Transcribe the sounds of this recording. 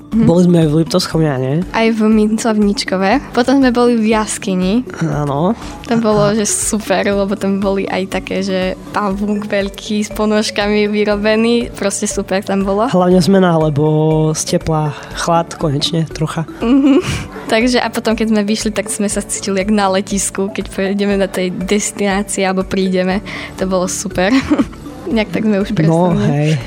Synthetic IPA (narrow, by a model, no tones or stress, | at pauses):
bɔlizmɛajvlip̚t̪ɔskɔʊɲaɲɛʔajvmit͡sɔʋɲit͡ʃkɔʋɛpɔt̪ɔmzmɛbɔlivjaskiɲia̰nɔ | t̪ambɔlɔʒɛsupɛɾlɛbɔt̪ambɔliʔa̰jt̪akɛːʒɛpaʋuːɡʋɛʎkʰiːspɔnɔʃkamiʋiɾɔbɛniːpɾɔscɛsupɛɾt̪ambɔlɔɦlaʊɲɛzmɛnaalɛbɔscɛpla | xlat̪kɔɲɛt͡ʃɲɛt̪ɾɔxam̩ɦm̩t̪aɡʒɛʔapɔt̪ɔmkɛzmɛʋiʃlit̪aɡz̥mɛsat͡si̥ciliaɡnalɛciskukɛcpɾɛjɟɛmɛd̪ɔt̪ɛjd̪ɛst̪inaːt͡siɛalɛbɔpɾiːɟɛmɛt̪ɔbɔlɔsupɛɾ | ɲak̚t̪aɡzmɛuʃpɾnɛɔɦiɛj